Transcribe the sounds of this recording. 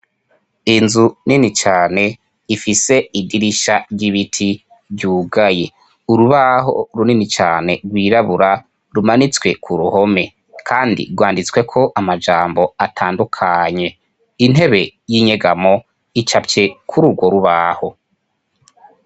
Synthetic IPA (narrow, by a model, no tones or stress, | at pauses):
inzuninit͡ʃaːne̞ | ifise̞idiɾiʃaɾɟiβitʰi | βɟuːɡaje̞ | uɾuβaɦo̞̰ɾuninit͡ʃaːne̞ɾɡwiːɾaβuɾa | ɾumanit͡swe̞kʰuɾuho̞me̞ | kʰaːndḭɡwaːndit͡swe̞kʰo̞ʔamad͡ʒaːmbo̞atʰaːndukʰaɲe̞ | in̥he̞βe̞jiːɲe̞ɡamo̞ | it͡ʃapce̞kʰuɾuɡwo̞ɾuβaho̞